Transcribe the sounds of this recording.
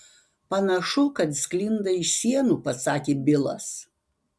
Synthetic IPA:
pɐnɐʃʊkɐt̪sʲklʲɪnd̪ɐɪʃsʲiɛnuːpɐsɑːkʲeːbʲɪlˠɐ̰s

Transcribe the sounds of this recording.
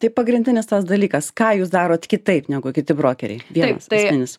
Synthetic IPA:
t̪ɐɪpɐɡɾʲɪnʲd̪ʲɪnʲɪst̪ɐsd̪ɐlʲiːkɐskɑːjuːs̬d̪ɑːɾoːt̪kʲɪt̪ɐɪpnʲɛɡʊkʲɪt̪ʲɪbɾoːkʲɛɾʲɛ̰ɪʋʲiɛnɐ̰sːɐɪsmʲɪnʲɪs

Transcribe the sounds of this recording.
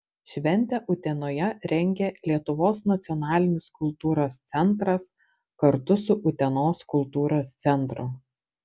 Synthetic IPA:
ʃʲʋʲɛnʲˑt̪ʲɛʔʊt̪ʲɛnoːjɛɾʲɛŋʲɡʲɛlʲiɛt̪ʊʋoːsnɐt̪sʲɪɔnɑːlʲɪnʲɪskʊlˠt̪uːɾoːst̪sʲɛnˑt̪ɾɐs | kɐɾt̪ʊsʊʔʊt̪ʲɛnoːskʊlˠt̪uːɾoːst̪sʲɛnˑt̪ɾʊ

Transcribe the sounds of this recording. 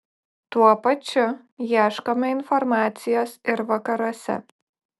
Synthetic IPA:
t̪uɔpɐt͡ʃʲʊ | jiɛʃkomʲɛɪnfɔɾmɑːt̪sʲɪjoːsɪɾʋɐkɐɾuɔsʲɛ̰

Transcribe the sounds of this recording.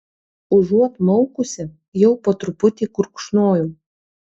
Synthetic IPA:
ʊʒuɔt̪mɔʊkʊsʲɪ | jɛʊpɐt̪ɾʊpʊt̪ʲiːkʊɾkʃnoːjuː

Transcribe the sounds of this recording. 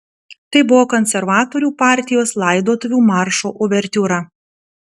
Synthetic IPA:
t̪ɐɪbʊʋoːkɔnʲsʲɛɾʋɑːt̪oːɾʲuːpɑˑɾʲt̪ʲɪjoːslˠɑˑɪd̪oːt̪ʊʋʲuːmɑˑɾʃoːʔʊʋʲɛɾʲt̪ʲuːɾɐ

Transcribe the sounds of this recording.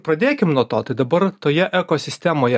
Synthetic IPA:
pɾɐd̪ʲeːkʲɪmnuɔt̪oːt̪ɐɪd̪ɐbɐɾt̪oːjɛʔɛkoːsʲɪsʲt̪ʲæmoːjɛ

